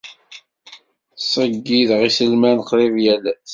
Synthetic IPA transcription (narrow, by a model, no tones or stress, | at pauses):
sˤəɡːiðʁisəlmænqðˤivjælæθ